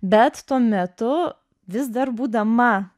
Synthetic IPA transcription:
bʲɛt̪t̪uɔmʲɛt̪ʊ | ʋʲɪsd̪ɐɾbuːd̪ɐmɐ

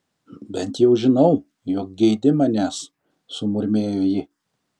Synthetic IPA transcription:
bʲɛnt̪jɛʊʒʲɪnɐʊ | joːk̚ɡʲɛɪd̪ʲɪmɑnʲæːs | sʊmʊɾʲmʲeːjoːjɪ

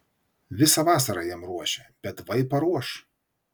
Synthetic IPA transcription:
ʋʲɪsɑʋɑːsɐɾɑjiɛmɾuɔʃʲɛb̥ʲɛt̪ʋɐɪpɐɾuɔʃ

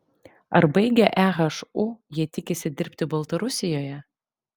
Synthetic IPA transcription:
ɐɾbɐɪɡʲɛʔæːɣɐʃʊjiɛt̪ʲɪkʲɪsʲɪd̪ʲɪɾʲpʲt̪ʲɪbɐlˠt̪ɐɾʊsʲɪjoːjɛ

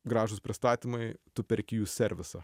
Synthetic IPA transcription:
ɡɾɑːʒʊspʲɾʲɪst̪ɑːt̪ʲimɐɪt̪ʊpʲɛɾʲkʲɪjuːsʲɛɾʲʋʲɪsɐ

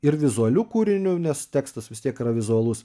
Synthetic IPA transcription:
ɪɾʋʲɪzʊɐlʲuːkuːɾʲɪnʲʊnʲɛst̪ʲæːkst̪ɐsʋʲɪst̪ʲiɛkrɐʋʲɪzʊɐlˠʊs

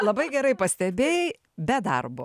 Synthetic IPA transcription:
lˠɐbɐɪɡʲɛɾɐɪpɐsʲt̪ʲɛbʲeːjɛ | bʲɛd̪ɐ̰rbo

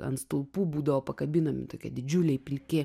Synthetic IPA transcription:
ɐ̰nt̪st̪ʊlˠpuːbuːd̪ɐʋoːpɐkɐbʲɪnɐmʲɪ̰t̪oːkʲɛd̪ʲɪd͡ʒʲʊlʲɛɪpʲɪlʲkʲɪ

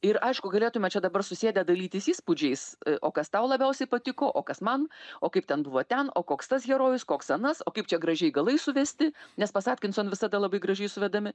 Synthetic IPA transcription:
ɪɾɐɪʃkʊɡɐlʲeːt̪ʊmʲɛt͡ʃʲɛd̪ɐbɐrsʊsʲeːdʲɛd̪ɐlʲiːt̪ʲɪsiːspʊd͡ʒʲɛɪsʔo̰ːkɐst̪ɐʊlˠɐbʲɛʊsʲɛɪpɐt̪ʲɪkoːʔoːkɐsmɐnoːkɐɪp̚t̪ʲɛnbʊʋoːt̪ʲɛno̰ːkoːkst̪ɐsɡʲɛɾoːjʊskoːksɐnɐsoːkɐɪpt͡ʃʲɛɡɾɐʒʲɛɪɡɐlˠɐɪsʊʋʲɛsʲt̪ʲɪnʲɛspɐsɑːt̪ʲkʲɪnsʲɐnʋʲɪsɐd̪ɐlˠɐbɐɪɡɾɐʒʲɛɪsʊʋʲɛd̪ɐmʲɪ

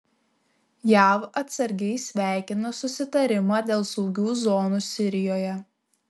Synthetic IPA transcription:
jæːʋɐt̪sɐɾʲɡʲɛɪsʲʋʲæˑɪkʲɪnɐsʊsʲɪt̪ɐɾʲɪmɑːd̪ʲeːlˠsɔʊɡʲuːzoːnuːsʲɪɾʲɪjoːjɛ

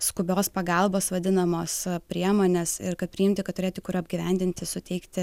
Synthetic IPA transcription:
skʊbʲoːspɐɡɐlˠboːsʋɐd̪ʲɪnɐmoːspʲɾʲiɛmoːnʲeːsɪɾkɐt̪̚pʲɾʲɪjɪmʲt̪ʲɪkɐt̪ʊɾeːt̪ʲɪkʊɾɐbʲɡʲiʋʲɛnʲd̪ʲɪnʲt̪ʲɪsʊt̪ʲɛɪkt̪ʲɪ

